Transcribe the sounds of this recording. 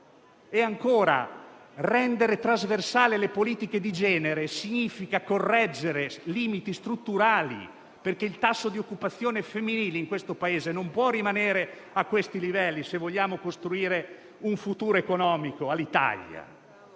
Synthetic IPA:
eaŋkoːɾa̰rɛnd̪eɾet̪ɾazversaːlelepoliːt̪iked̪id͡ʒɛːneɾesiɲiːfikakorːɛd͡ʒːeɾeliːmit̪ist̪ɾut̪ːuɾaːlḭ | perk̟eilt̪asːod̪iokːupat̪sːjoːnefemːiniːleiŋkwest̪opaeːzenompwɔrːimaneːɾe | akːwest̪ilivɛlːisevoʎːaːmokost̪ɾuiːɾe | uɱfut̪uːɾoekonɔːmikoalːit̪a̰ʎːa̰

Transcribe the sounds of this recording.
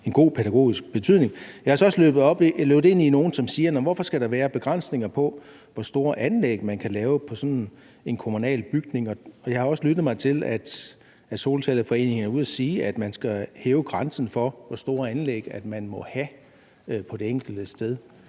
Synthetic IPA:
e̝nɡ̥o̝̰ːpʰed̥æɡ̥o̝̰ːisɡ̥̚b̥e̝t͡sʰyð̰ˠne̝ŋjɑɪɒsɒ̽slø̰ːb̥ð̩ˠɒb̥løʊð̩ˠe̝n̰ino̝ːn̩sɒ̽msiːɐnɒmʋɒfɒ̽sɡ̥æɾ̥ɑ̈ʋæːɐb̥e̝ɡ̥ʁɑn̰sne̝ŋɐpʰɒ̽ | ʋɒsd̥o̝ːɐʔænleɡ̥mænkʰælɛːʊpʰɒ̽sɒ̽n | e̝nkʰomunɛ̰ːlb̥yɡ̥ne̝ŋɒ̽ɒ̽jɑ̈ɪhɑ̈ɒ̽səlyd̥ð̩ˠmɑ̈ɪt͡sʰe̝læd̥ | æ̥so̝ːlt͡sʰɛːlðəfɒ̽e̝̰ːne̝ŋnæɐuð̰ˠɐsiːæd̥mænsɡ̥æheːʊəɡ̥ʁɑ̈nsn̩fɒ̽ʋɒ̽sd̥o̝ːɐænleɡ̥æd̥mænmɒ̽hæ | pʰɒ̽d̥e̝eŋ̰ɡ̥l̩d̥əsd̥eð̞ˠ

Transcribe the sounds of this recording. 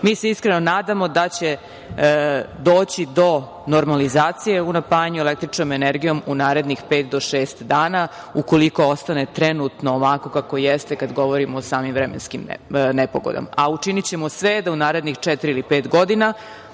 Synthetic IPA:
miːseiskɾeno̞naːd̪amo̞d̪at͡ɕe̞ | d̪o̞ːt͡ɕid̪o̞ | noɾmalizaːt̪sije̞unapaːjaɲuelek̚t̪ɾit͡ʃnomeneɾɡijo̞munaːɾe̞d̪nixpe̞ːt̪̚d̪o̞ʃeːst̪d̪aːna | uko̞liko̞ost̪ane̞t̪ɾenut̪noːʋako̞kako̞jest̪ekad̪ɡo̞ʋo̞ɾimoːsaːmimʋvɾɛmḛnskimnepoɡo̰d̪o̰maut͡ʃinit͡ɕemosʋɛd̪aunaːɾe̞d̪nixt͡ʂɛt̪iɾiilipeːt̪ɡo̞d̪ina

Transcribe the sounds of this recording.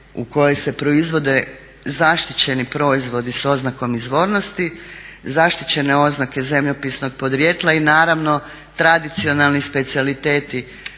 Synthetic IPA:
ṵko̞jo̞jse̞pɾo̞izʋo̞d̪e̞ | zaʃt̪it͡ɕe̞nipɾo̞izʋo̞d̪iso̞znako̞mizʋo̞ːɾno̞st̪izaʃt̪i̥t͡ɕe̞neo̞znake̞ze̞mʎopisno̞ɡ̚po̞d̪ɾjet̪lˠainaːɾaʋno̞ | t̪ɾad̪it̪sio̞nalˠnispe̞t̪sialit̪e̞ːt̪i

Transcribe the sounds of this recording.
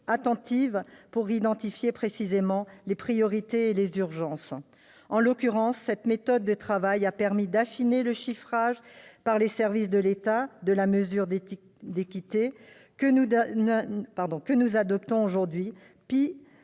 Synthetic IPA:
at̪ɑ̃t̪ivpuʁid̪ɑ̃t̪ifjepχesizemɑ̃lepχijɔʁit̪eelezyʁʒɑ̃s | ɑ̃lɔkʲyʁɑ̃sːɛt̪met̪ɔd̪ːət̪χavajapɛʁmid̪afineləʃifχaʒpaʁlesɛʁvis̬d̪əlet̪ad̪əlaməzyʁd̪ | d̪ekʲit̪e | kəu | paʁd̪ɔ̃kənuzad̪ɔp̚t̪ɔ̃oʒuʁd̪ɥi | pi

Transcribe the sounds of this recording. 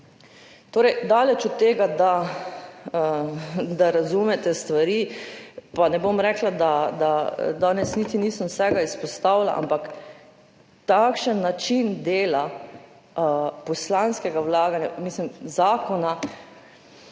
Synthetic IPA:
t̪oːɾɛjd̪aːlɛt͡ʃɔt̪ːeːɡad̪a | əd̪aɾazumɛt̪ɛst̪ʋaɾiːpanɛbomɾɛklad̪ad̪ad̪aːnɛsnit̪iniːsəmwsɛɡaispɔst̪awla̰ʔa̰mpak | t̪akʃənːat͡ʃind̪eːla | pɔslanskɛɡawlaːɡanja̰mislimzaːkɔna

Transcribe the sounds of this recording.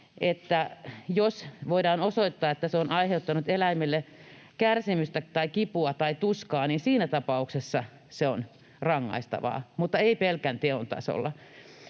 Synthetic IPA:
et̪ːæjosʋoidɑːnosoit̪ːɑːet̪ːæseonɑiheut̪ːɑnut̪elæimilːe | kærsimyst̪æt̪ɑikipuɑt̪ɑit̪uskɑːniːnsiːnæt̪ɑpɑuksesːɑ | seon | rɑŋːɑ̰ist̪ɑ̰ʋɑ̰ːmut̪ːɑeipelkænt̪eont̪ɑ̰so̰lːɑ

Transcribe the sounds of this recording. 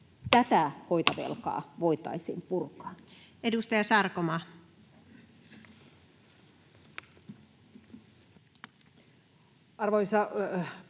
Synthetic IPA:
t̪æt̪æhoit̪ɑʋḛlkɑ̰ːʋoit̪ɑ̰isḭːmpurkɑ̥ːedust̪ɑjɑsɑrkomɑ | ɑrʋoisɑ

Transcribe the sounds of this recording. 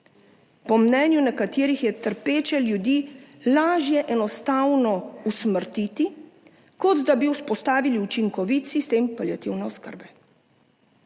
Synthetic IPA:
pɔmnɛːnjunakat̪eːɾixjɛt̪əɾpeːt͡ʃɛljud̪iːlaːʒjɛʔɛnɔst̪aːwnɔusməɾt̪iːt̪i | kɔd̪d̪abiuspɔst̪aːʋiliut͡ʃiŋkɔʋit̪sist̪eːmpaljat̪iwnɛɔskə̰ɾbɛ

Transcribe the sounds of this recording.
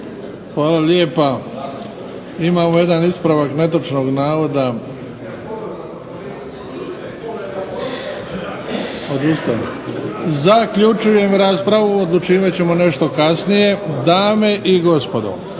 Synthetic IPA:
xʋaːlaljeːpa | imaːmoje̞d̪anispɾaʋakne̞t̪ot͡ʃno̞ːɡnaːʋo̞d̪a | od̪ust̪aji | zakʎut͡ʃuje̞mɾaːspɾaʋuod̪lˠut͡ʃiːʋat͡ɕe̞mo̞ne̞ʃt̪o̞kasnije̞d̪aːme̞ʔiɡo̞spod̪o̞̰

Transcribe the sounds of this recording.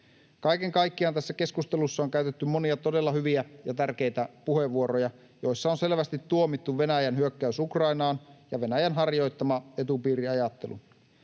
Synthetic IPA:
kɑjke̞ŋkɑjkːiɑnt̪æsːæke̞skust̪e̞lusːɑoŋkæyt̪et̪ːymo̞niɑt̪o̞de̞lːɑhyʋiæjɑt̪ærke̞jt̪æpuheʋːuoɾojɑ | jo̞jsːɑonse̞lʋæst̪it̪ːuomit̪ːuʋʋe̞næjænɦyøkːæysukrɑinɑːnjɑʋe̞næjænɦɑrjo̞jt̪ːɑmɑe̞t̪upiːɾiɑjɑt̪ːe̞lṵ

